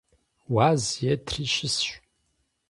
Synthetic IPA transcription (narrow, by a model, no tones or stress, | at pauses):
waːzjɛtʰriʃɪsɕʷ